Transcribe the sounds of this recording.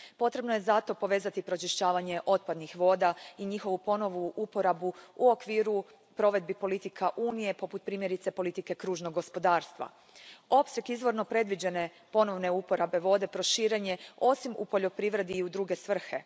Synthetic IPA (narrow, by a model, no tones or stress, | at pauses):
po̞t̪ɾe̞bnoje̞zat̪o̞po̞ʋe̞zat̪ipɾo̞t͡ʃiʃt͡ɕaːʋaɲe̞ʔo̞t̪̚pad̪nixʋo̞ːd̪aiɲixo̞ʋupo̞no̞ʋuʔupo̞ɾabuuo̞kʋiːɾu | pɾo̞ʋe̞d̪̚bipo̞lit̪ikʰaʔuːnije̞po̞put̪̚pɾiːmjeɾit̪se̞po̞lit̪ike̞kɾuːʒnoɡo̞spo̞d̪aːɾst̪ʋa̰ | o̞psjekizʋo̞ɾno̞pɾe̞d̪ʋid͡ʑe̞ne | po̞no̞ʋne̞upo̞ɾabe̞ʋo̞d̪e̞pɾo̞ʃiːɾe̞ɲe̞o̞simṵpo̞ʎo̞pɾiːʋɾe̞d̪iːud̪ɾuːɡe̞sʋr̩xe̞